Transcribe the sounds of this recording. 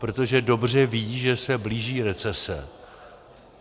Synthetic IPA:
pɾot̪o̞ʒɛdo̞br̝ɛviːʒɛsɛbliːʒiːɾɛt͡sɛsɛ̰

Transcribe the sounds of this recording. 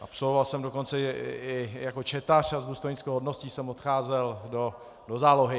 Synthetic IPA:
ʔa̰pso̞lvovalsɛmdo̞ko̞nt͡sɛɪjako̞t͡ʃɛt̪ar̝azduːst̪ojɲɪt͡skɛwɦodnosciːsɛmot̪xaːzɛldo | do̞zaːlo̞ɦɪ

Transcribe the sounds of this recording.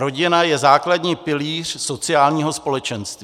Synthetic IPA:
ɾo̞ɟɪnajɛzaːkladɲiːpɪliːr̥so̞t͡sɪaːlɲiːɦo̞spo̞lɛt͡ʃɛnst̪vi

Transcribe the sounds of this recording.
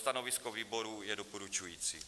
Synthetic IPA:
t̪anovɪskoviːbo̞ɾujɛdopoɾut͡ʃujiːt͡si

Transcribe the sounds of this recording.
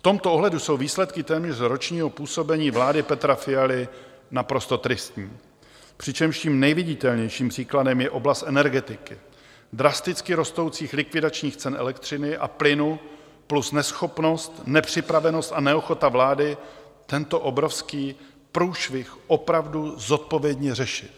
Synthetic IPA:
ft̪o̞mt̪oʔoɦlɛduso̞wviːslɛt̪kɪt̪ɛːmɲɛr̝ɾo̞t͡ʃɲiːɦo̞puːso̞bɛɲiːvlaːdɪpɛt̪ɾafɪalɪ | napɾo̞st̪o̞t̪ɾɪst̪ɲiː | pr̝̥ɪt͡ʃɛmʃciːmnɛjvɪɟɪt̪ɛlɲɛjʃiːmpr̝̥iːkladɛmjɛʔo̞blast̪ʔɛnɛɾɡɛt̪ɪkɪ | d̪ɾast̪ɪt͡skɪɾo̞st̪o̞wt͡siːxlɪkvɪdat͡ʃɲiːxt͡sɛnʔɛ̰lɛk̚t̪r̝̥ɪnɪʔa̰plɪnu | plusnɛsxo̞pno̞st̪nɛpr̝̥ɪpɾavɛnost̪anɛoxo̞t̪avlaːdɪ | t̪ɛnt̪o̞ʔobɾo̞fskiː | pɾuːʃvɪxʔo̞pɾavduzo̞t̪̚po̞vjɛdɲɛrɛʃɪt̪

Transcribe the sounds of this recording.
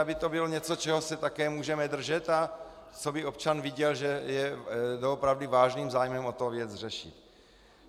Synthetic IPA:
abɪt̪o̞bɪloɲɛt͡so̞t͡ʃɛɦo̞sɛt̪akɛːmuːʒɛmɛd̪r̩ʒɛt̪a | t͡sobɪo̞p̚t͡ʃanvɪɟɛlʒɛjɛdoopɾavdɪvaːʒniːmzaːjmɛmo̞t̪ovjɛt͡sr̝ɛʃɪ̰t̪

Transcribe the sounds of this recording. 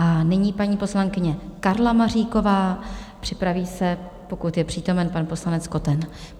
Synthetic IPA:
ʔanɪɲiːpaɲiːpo̞slaŋkɪɲɛkaɾlamariːko̞vaːpr̥ɪpɾaviːsɛ | po̞kut̪jɛpr̥iːt̪o̞mɛnpanpo̞slanɛt͡sko̞t̪ɛn

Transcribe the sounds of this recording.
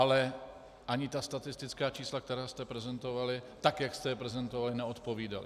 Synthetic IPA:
alɛ | ʔaɲɪt̪ast̪at̪ɪst̪ɪt͡skaːt͡ʃiːslak̚t̪ɛɾaːst̪ɛpɾɛzɛnt̪o̞valɪt̪akjakst̪ɛjɛpɾɛzɛnt̪ovalɪnɛo̞t̪po̞viːda̰lɪ̰

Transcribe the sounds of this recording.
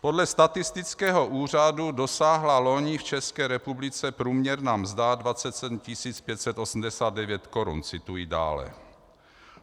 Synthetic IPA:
po̞dlɛst̪at̪ɪst̪ɪt͡skɛːɦo̞ʔuːr̝adudo̞saːɦlalo̞ɲɪft͡ʃɛskɛːɾɛpublɪt͡sɛpɾuːmɲɛɾnaːmzdadvatt͡sɛt̪sɛdm̩cɪsiːt͡spjɛt̪sɛt̪ʔo̞sm̩dɛsaːd̪̚dɛvjɛt̪ko̞ɾṵnt͡sɪt̪ujida̰ːlɛ̰

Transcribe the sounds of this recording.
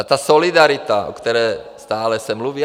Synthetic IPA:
at̪aːsɔlid̪aɾit̪aɔ̰kt̪ɛɾɛːst̪aːlɛsamluʋi

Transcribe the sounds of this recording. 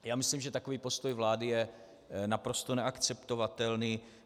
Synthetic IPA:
jaːmɪslimʒɛt̪akoviːpo̞st̪o̞jvlaːdɪjɛ | napɾost̪onɛakt͡sɛpt̪o̞vat̪ɛlniː

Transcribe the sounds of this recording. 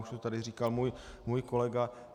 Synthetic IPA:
uʃt̪ot̪adɪriːkalmuːjmuːjkolɛɡa

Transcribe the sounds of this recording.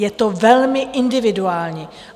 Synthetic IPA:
jɛt̪ovɛlmɪʔɪndɪvɪduaːlɲiː

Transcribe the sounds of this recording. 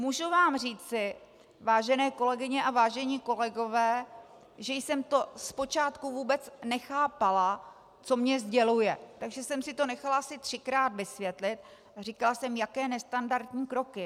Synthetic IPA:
muːʒuvaːmriːt͡sɪ | vaːʒɛnɛːko̞lɛɡɪɲɛʔavaːʒɛɲiko̞lɛɡo̞vɛː | ʒɛjsɛmt̪o̞spo̞t͡ʃaːt̪kuvuːbɛt͡snɛxaːpala | t͡so̞mɲɛzɟɛlujɛt̪aɡʒɛsɛmsɪt̪o̞nɛxalaʔasɪt̪r̝̥ɪkɾaːd̪vɪsvjɛt̪lɪt̪̚ | ariːkalasɛmjakɛːnɛst̪andaɾt̪ɲiːkɾo̞kɪ

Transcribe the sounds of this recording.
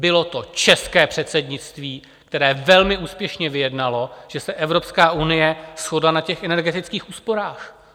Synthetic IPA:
bɪlo̞t̪o̞t͡ʃɛskɛːpr̥ɛt̪sɛdɲɪt͡st̪viː | kt̪ɛɾɛːvɛlmɪuːspjɛʃɲɛvɪjɛdnalo̞ʒ̥ɛsɛʔɛvɾo̞pskaːʔunɪjɛsxodlanacɛxʔɛnɛɾɡɛt̪ɪt͡skiːxuːspo̞ɾaːx

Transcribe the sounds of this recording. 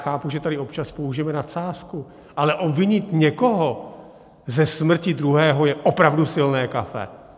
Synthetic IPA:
xaːpuʒɛt̪adɪo̞pt͡ʃaspouʒɛmɛnasaːsku | ʔalɛʔobvɪɲɪt̪ɲɛkoɦo | zɛsmr̩cɪdɾuɦɛːɦo̞jɛʔopɾavdusɪlnɛːkafɛ̰

